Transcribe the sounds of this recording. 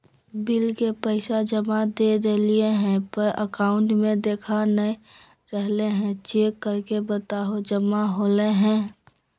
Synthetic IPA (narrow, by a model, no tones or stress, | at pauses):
bɪlkepəɪsad͡ʒəmad̪ed̪eːlieɦɛ̃pəʔə̰kaːʊ̃ɳʈmẽd̪eːkʰanə | ɾɛɦleɦɛ̃t͡ʃeːkːəɾkebət̪aːɦod͡ʒəmaɦoːleɦɛ̃ː